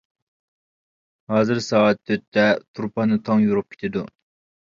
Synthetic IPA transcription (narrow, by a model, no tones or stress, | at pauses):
hɑːzɨɾsɑːɑt̪ʰːøt̪ʰːɛt̪ʰuɾpʰɑnɨt̪ʰɑŋjuɾup̚kʲʰe̥t̪ʰɪd̪u